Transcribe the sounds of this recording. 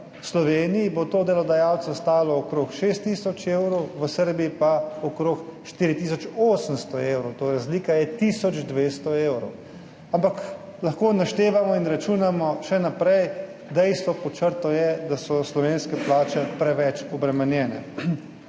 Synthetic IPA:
slɔʋeːnijibot̪oːd̪ɛlɔd̪ajawt̪sɔst̪aːlɔːkɾoːkʃeːst̪ːisɔt͡ʃewɾowʋəsəɾbijipaɔkɾokʃt̪iːɾit̪isɔt͡ʃoːsənst̪ɔewɾot̪oɾazliːkajɛt̪isɔd͡ʒd̪ʋest̪ɔeːwɾo̰w | ampak | lɐxkoːnaʃt̪eːʋamɔinɾat͡ʃunamɔʃɛnapɾɛj | d̪ɛjst̪ʋɔpɔt͡ʃəɾt̪ɔjɛd̪asɔslɔʋeːnskɛplaːt͡ʃɛpɾɛʋɛt͡ʃɔbɾɛmɛnjɛːnɛ̰

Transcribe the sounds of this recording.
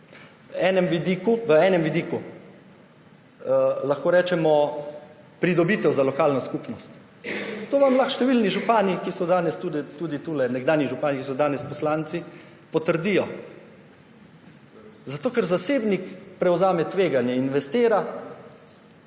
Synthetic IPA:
wɛːnɛmʋid̪iːkuʋəɛːnɛmʋid̪iːku | laxkoːɾɛːt͡ʃɛmɔ | pɾid̪ɔbiːt̪ɛwzalɔkaːlnɔskupnɔst̪ | t̪oːʋamlaxʃt̪ɛʋilniʒupaːnikisɔd̪aːnɛst̪ud̪ɛt̪ud̪it̪uːlɛnɛɡd̪aːnjiʒupaːnikisɔd̪aːnɛspɔslaːnt̪si | pɔt̪əɾd̪iːjɔ | zat̪oːkɛɾzaseːbnikpɾɛwzaːmɛt̪ʋeːɡanjɛinʋɛst̪eːɾa

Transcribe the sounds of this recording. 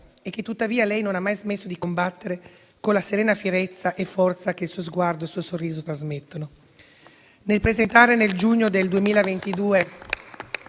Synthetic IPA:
ek̟ːet̪ːut̪ːaviːalɛjnonamːajzmesːod̪ikombat̪ːeɾe | kolːaseɾeːnafjeɾet̪sːaʔefːɔrt̪sakeilsuːozɡward̪oesuːosorːiːzot̪ɾazmet̪ːono | nelpɾezent̪aːɾeneld͡ʒuɲːod̪eld̪uemiːlavent̪id̪uːe

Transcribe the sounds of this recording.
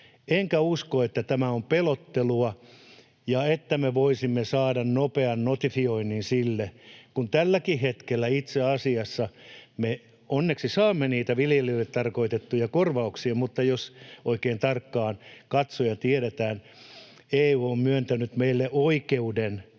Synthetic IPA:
eŋkæuskoet̪ːæt̪æmæompelot̪ːeluɑ | jɑet̪ːæmeʋoisimːesɑːdɑnnopeɑnnot̪ifioinːinsilːekunt̪ælːækihet̪kelːæit̪seɑsiɑsːɑme | onːeksisɑːmːeniːt̪æʋiljelilːet̪t̪ɑrkoit̪et̪ːujɑkorʋɑuksiɑmut̪ːɑjosʔoikeːnt̪ɑrkːɑːnkɑt̪sojɑt̪ieɾet̪æːn | eːioːmmyønt̪ænyt̪meilːeʔoikeuden

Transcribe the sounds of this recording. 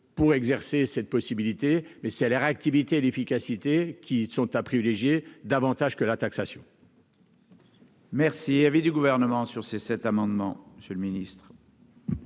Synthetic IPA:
puʁɛɡzɛʁsesɛt̪̚pɔsibilit̪emɛsɛlɛʁak̚t̪ivit̪eːlefikʲasit̪ekʲisɔ̃t̪apχivileʒjed̪avɑ̃t̪aʒkəlat̪aksasjɔ̃ | mɛʁsiavid̪yɡuvɛʁnəmɑ̃syʁsesɛt̪amɑ̃d̪mɑ̰̃məsjøləminist̪χ

